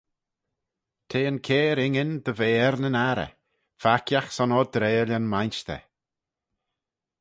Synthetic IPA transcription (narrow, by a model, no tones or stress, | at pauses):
t̪ʰeːənkʰeːɾɪŋɪnd̪əveːɛɾnənaɾə̰ | fakʰjaxsɔnɔd̪ɾeːlʲanmajnʃt̪ʰɛ̰